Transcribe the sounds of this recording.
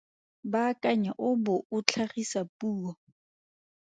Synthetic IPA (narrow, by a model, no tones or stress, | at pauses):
bakʼaɲaʔʊbʊʊt͡ɬʰaχisapuːɔ